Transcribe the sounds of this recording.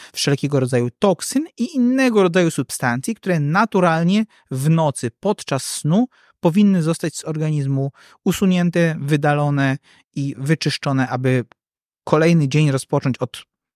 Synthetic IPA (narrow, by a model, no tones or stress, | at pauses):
fʂɛlkʲɛɡɔɾɔd̪zajut̪ɔksɘniʔinːɛɡɔɾɔd̪zajusupst̪ant̪sʲjik̚t̪uɾɛnat̪uɾalɲɛ | vnɔt̪sɘpɔt̪t͡ʂasːnu | pɔvʲinːɘzɔst̪ad͡ʑz̥ɔɾɡaɲizmu | usuɲɛnt̪ɛvɘd̪alɔnɛ | ivɘt͡ʂɘʂt͡ʂɔnɛʔabɘ | kʰɔlɛjnɘd͡ʑeɲɾɔspɔt͡ʂɔɲt͡ɕɔt̪